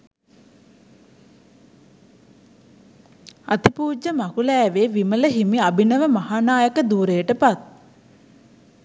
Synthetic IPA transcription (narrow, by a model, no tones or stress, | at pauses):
at̪ipuːd͡ʒːəmakulɛːʋeːʋimələɦimiabinəʋəmahaːnaːjəkəd̪uːɾejəʈəpat̪̚